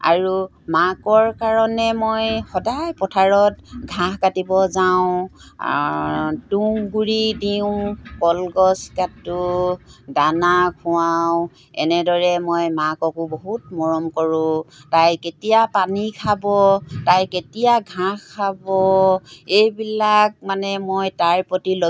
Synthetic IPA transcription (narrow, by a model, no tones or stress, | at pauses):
a̰ɹu | makɔɹkaɹɔnɛmojxɔdajpɔtʰaɹɔtɡʱãhkatibɔzaʊ̃ | tuŋɡuɹidiʊ̃kɔlɡɔskatu | danakʰuwawʊ | ɛ̰nɛdɔɹɛmojmakɔkuboɦutmɔɹɔmkɔɹʊ̃tajketijapanikʰabɔtajketijaɡʱãkkʰːabɔejbilak̚manɛmojtaɹpotilo